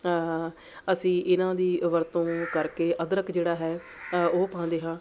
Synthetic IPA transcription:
əsĩːʔɪnãːd̪iːʋəɾt̪õːkəɾkeːʔəd̪ɾəkd͡ʒeːɽaːɦɛː | oːpãːnd̪eːɦãː

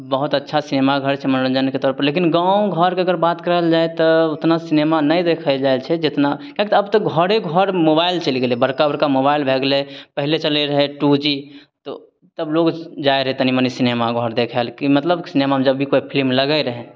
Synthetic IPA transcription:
bəɦut̪ətːʃʰasinemaɡʱəɾt͡ʃʰɛmənɾə̃nd͡ʒənket̪ɔɾpəɾlekinɡãũɡʱəɾkeəɡəɾbat̪kəɾəld͡ʒaet̪ɔot̪nasinemanəjd̪ekʰəld͡ʒaelt͡ʃʰɛd͡ʒet̪nakãkit̪əbt̪ɔɡʱəɽeɡʱəɾmobailt͡ʃəliɡelibəɾkabəɾkamobailbʱeɡlepəɦilet͡ʃəleɾəɦɛʈud͡ʒit̪ɔ | t̪əbloɡd͡ʒaeɾəɦɛt̪ənimənisinemaɡʱəɾd̪ekʰəlkimət̪ləbsinemad͡ʒəbʱikoipʰilmləɡəɾəɦɛ̃

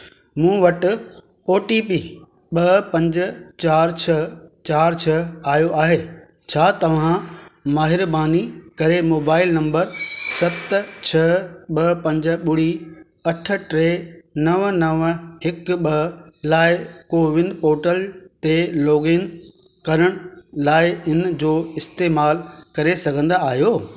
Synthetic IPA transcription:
mũːʋɐʈɪ̆ | oːʈipiː | ɓɐpɐ̃ɲd͡ʑə̆t͡ɕaːɾt͡ɕʰɐt͡ɕaːɾt͡ɕʰɐaːjoʔaːɦeː | t͡ɕʰaːt̪ɐʋ̤ãmaːɦɪɾbaːnikɐɾemoːbaːɪlnɐ̃mbəɾsɐt̪t͡ɕʰɐɓɐpɐ̃ɲd͡ʑə̆ɓʊɽi | ɐʈʰə̆ʈɾeːnɐʋnɐʋɦɪkɓɐlaːɪkoːʋɪnɖpoːʈəlt̪eloːɡen | kɐɾəɽ̃ʊlaːɪɪnd͡ʑoːɪst̪eːmaːlkɐɾesɐɡʱə̃nd̪aːɦijoː

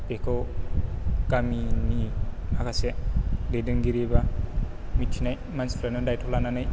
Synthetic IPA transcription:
peko | kaminiakasededɯŋɡiɾiba | mit͡ʃʰinaj | mansfɾanɯdajtʰolananaj

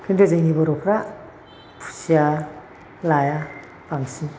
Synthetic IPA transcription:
kʰɯndɯzejŋibɔɾɔpʰɾa | pʰu̥sija | laja | baŋsi

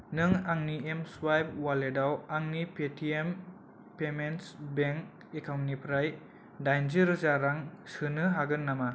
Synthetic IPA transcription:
nɯŋaŋniemswajb̚waledawaŋnipetʰiem | pemensbeŋk | ekʰamnipʰɾaj | dajnziɾzaɾaŋsɯnɯɦaɡɯnːama

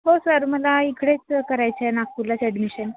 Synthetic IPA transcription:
ɦosəɾməlaikɽet͡skəɾajt͡senak̚t̪ulasɛɖmiɕən

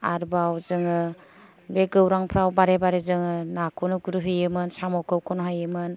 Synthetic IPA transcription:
a̰ɾbawzɯŋɯ | beɡɯwɾaŋpʰɾawbaɾebaɾezɯŋɯnakʰɔnɯɡuɾɯɦɯjɯmɯnsamɔwkʰɯwkʰɔnɦajɯmɯn

